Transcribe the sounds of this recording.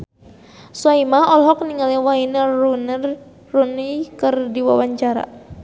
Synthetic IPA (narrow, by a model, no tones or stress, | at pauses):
saimaɔlɦɔk̚niŋaliwainəunr | runikɨrdiwawaɲt͡ʃaɾa̰